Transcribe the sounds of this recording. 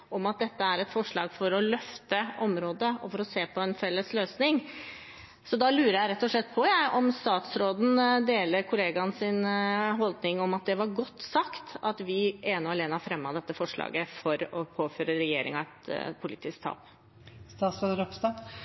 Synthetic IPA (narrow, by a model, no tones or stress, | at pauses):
ʔɔmɑt̪̚d̪ɛt̪ːəæɾɛt̪fɔʂɭɑːɡfɔɾɔlœft̪əɔmɾoːd̪əɔfɔɾɔseːpʰɔɛnfɛlːəsløːsnɪŋ | sɔd̪ɑlʉːɾəɾjæɪɾɛt̪ːɔʂɭɛt̪ːpʰɔjæɪʔɔmst̪ɑːt̪sɾoːd̪n̩d̪eːləɾkʰʊleːɡɑnsɪnɦɔld̪nɪŋɔmɑt̪̚d̪ɛʋɑɾɡɔt̪ːsɑkt̪ɑt̪ʋɪʔeːnʊɑleːnɑfɾɛmːɑd̪ɛt̪ːəfɔʂɭɑ̰ːɡəfɔɾɔpʰoːføːɾəɾɛjeːɾɪ̰ŋɑɛt̪pʰʊlɪːt̪ɪsk̚t̪ʰɑ̰ːp | st̪ɑːt̪sɾoːd̪əɾɔpst̪ɑ